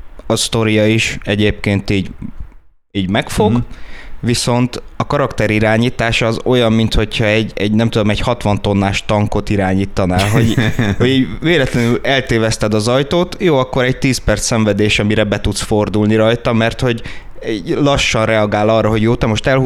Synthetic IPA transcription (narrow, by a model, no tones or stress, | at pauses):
ɒst̪o̞ɾijɒiʃɛɟeːp̚keːnt̪iːɟ | iːɟmɛkfo̞ɡʋiso̞nt̪ɒkɒɾɒkt̪ɛɾiɾaːɲiːt̪aːʃɒːzo̞jɒmːint̪ho̞cʰhɒɛɟːɛɟnɛmt̪ud̪o̞mɛɟhɒt̪ʋɒnt̪o̞nːaːʃt̪ɒŋko̞t̪iɾaːɲiːt̪ːɒnaːlɦo̞ɟhoɟiːɟveːlɛt̪lɛnylɛlt̪eːvɛst̪ɛd̪ɒzɒjt̪oːt̪joːɒkːoɾɛc̚t̪iːspɛrt̪sːɛɱvɛd̪eːʃɒmiɾɛbɛt̪ut̪sford̪ulniɾɒjt̪ɒmɛrt̪ho̞ɟilɒʃːɒnrɛɒɡaːlɒrːɒɦo̞ɟjoːt̪ɛmoʃt̪ɛlhu